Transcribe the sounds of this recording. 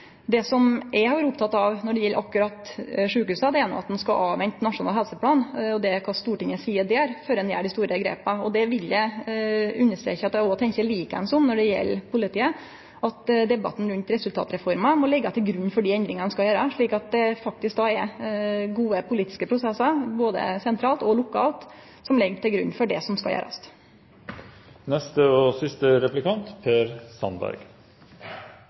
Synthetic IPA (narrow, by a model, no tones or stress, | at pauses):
d̪ɛsɔmʔɛhɑʋɑːɾʊpt̪ʰɑt̪ːɑʋnɔɖɛjɛlːʔɑkːʉɾɑt̪ʂʉːkʉːsəd̪ɛɛnʊ̰ɑ̰t̪d̪nskɑʔɑːʋɛnt̪nɑʂʊnɑ̰lɦɛlsəpʰlɑːnɔd̪ɛkʰɑst̪uːʈɪŋəsiːəd̪ɛæɾføːɾɛnjæ̰ːɖɪst̪uːɾəɡɾḛːpəɔd̪ɛʋɪljæɪ | ʉnːəʂʈ̪ɾḛːçəɑt̪ːæɔt̪ʰɛɲçəliːkəɛ̰nsɔmnɔɖɛjɛ̰lːpʰʊlɪt̪ʰiːə | ʔɑt̪d̪ɛbɑ̰t̪n̩ɾʉnt̪ɾɛsʉlt̪ɑ̰ːt̪ɾɛfɔɾmɑmɔlɛɡːɑt̪ʰɪlɡɾʉɲːfɔɖiːɛnd̪ɾɪŋɑnəskɑljøːɾəʂɭiːkɑt̪̚d̪ɛfɑk̚t̪ɪsk̚d̪ɑɛɾɡuːəpʰʊliːt̪ɪ̥skəpʰɾʊsɛsːɑɾboːd̪ə̰sɛnt̪ʰɾɑːlt̪ɔlʊkʰɑ̰ːlt̪ | sɔmlɛɡʈʰɪlɡɾʉ̰nːfɔɖɛsɔmskɑjø̰ːɾɑ̰st̪ | nɛst̪əɔsʏst̪əɾɛplɪkɑnt̪pʰeːɾsɑ̰nbæ̰ɾɡ